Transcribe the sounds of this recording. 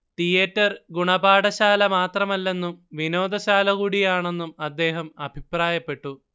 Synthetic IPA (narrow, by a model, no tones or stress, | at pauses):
t̪ijɐtːɐrɡuɳɐbaːɽɐɕaːlɐmaːt̪rɐmɐlːe̞nːumʋino̞ːd̪ɐɕaːlɐɣuːɽijaːɳe̞nːumɐd̪ːe̞ːɦɐmɐbʱipraːjɐpːe̞ʈːu